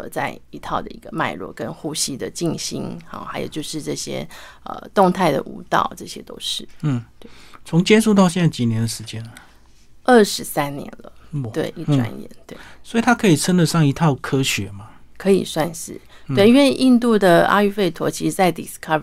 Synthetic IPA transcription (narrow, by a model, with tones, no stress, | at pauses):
ə˧t͡sa̰˥˩ɪi˧˥t̪ʰɑ˥˩ʊd̪ə̰˩i˧˥ɡ̥ə˧ma˥˩ɪlwɔ̰˥˩kə˦nxu˥˩ɕi˥d̪ə˨t͡ɕi˥˩ŋɕḭ˥nɑ̰˧˩xa˧˥ɪjo̰˨˩t͡ɕjo˥˧ʊʂɻ̩˥˧ʈ͡ʂɤ˥˩ɕjɛ̰˥ə̰˨˩t̪ʊ˥˧ŋt̪ʰa˥˩ɪd̪ə̰˩ʔu˧˥t̪ɑ̰˥˩ʊʈ͡ʂɤ˥˩ɕjɛ̰˥t̪o̰˥ʊʂɻ̩˥˩˥t̪we˥˩t͡sʰʊ˧˥ŋt͡ɕjɛ˥nʂu˥˧t̪̬ɑ˥˧ʊɕjɛ˥˧na˥˩ɪt͡ɕi˨˩njɛ˦nd̪ə˨˩ʂɻ̩˧˦t͡ɕjɛ˥˦nə˨ | ə˥˩ʂɻ̩˧˥sa˦˥nnjɛ̰˧˦nlə˧wḛ˥˩ɪi˥˩ʈ͡ʂwa̰˧˥njɛ̰˨˧˦nt̪we˥˩ɪswɔ˧˥i˨t̪ʰa˥kʰɤ˧˥i˨˩t͡sʰə˥nd̪ə˨ʂɑ˥˩ŋi˧˥t̪ʰɑ˥˨˩ʊkʰɤ˥ɕɥɛ˨˦ma˨kʰɤ˧˦ḭ˨˩swa˥˧nʂɻ̩˥˩ | t̪we˥˩ɪi˥nwe˥˧ɪʔi˥˧nt̪u˥˩d̪ə˩a̰˥y˥˧fe˥˩ɪt̪ʰwɔ̰˧˥t͡ɕʰi˧˥ʂɻ̩˧˥t͡sa˥˩ɪt̪i˨skʰɑ˥˩